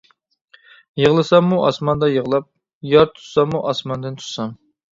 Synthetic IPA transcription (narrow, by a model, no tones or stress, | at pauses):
jəʁlˠɨsɑŋmːuʔɑsmɑnd̪ɑjəʁlˠɑp̚ | jɑɾt̪ʰu̥sɑŋmuʔɑsmɑnd̪ɨnt̪ʰu̥t̪sɑm